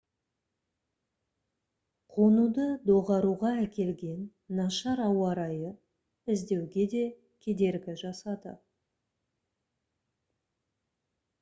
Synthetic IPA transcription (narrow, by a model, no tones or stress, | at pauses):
qʰo̞nud̪əd̪o̞ʁɑɾuʁɑækʲe̞lɡʲe̞nː | ɑʃɑɾɑwɑɾɑjə | ɪzd̪e̞wɡʲe̞d̪e̞ | kʲʰe̞d̪e̞ɾɡʲɪʒɑsɑd̪ə̰